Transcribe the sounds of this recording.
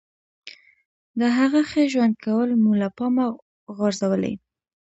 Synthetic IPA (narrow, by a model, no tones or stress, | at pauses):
d̪əɦaɣaxeʒwand̪̚kawəlmulapɑma | ɣɑɾzawəlḛj